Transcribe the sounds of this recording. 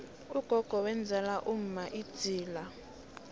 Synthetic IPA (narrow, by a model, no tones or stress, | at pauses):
uɡ̥ʱɔɡ̥ʱɔwɛnd͡zʱɛlaʔum̩maʔid̥d͡z̥ʱiːla